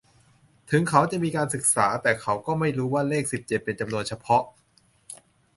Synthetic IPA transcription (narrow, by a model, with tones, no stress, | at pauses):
t̪ʰɯ˩˦ŋkʰa˦˥wt͡ɕa˨˩ʔmiː˧kaː˧nsɯ˨˩k̚saː˩˦t̪ɛː˨˩kʰa˦˥wkɔː˥˩ma˥˩jɾuː˦˥waː˥˩leː˥˩k̚si˨˩p̚t͡ɕe˨˩p̚ːe˧nt͡ɕa˧mnu˧ənt͡ɕʰa˧pʰɔ˦˥ʔ